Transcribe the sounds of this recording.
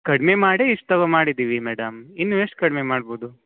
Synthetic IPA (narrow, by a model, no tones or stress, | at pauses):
kɐɽmemaːɽeiʂt̪ɐʋɐmaːɽid̪iːʋimɛːɽɐminːueʂʈ̚kɐɽmemaːɽboːd̪u